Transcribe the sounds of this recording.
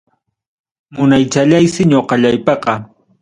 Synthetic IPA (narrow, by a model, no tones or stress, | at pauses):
mʊnajt͡ʃaʎajsɪɲoqɑʎajpɑqɑ